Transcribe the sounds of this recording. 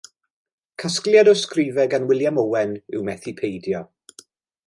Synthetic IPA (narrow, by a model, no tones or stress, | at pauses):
kʰasklˠjadɔskrɪvɛɡanwɪlˠjamɔwɛnɪwmɛθipʰejdjɔ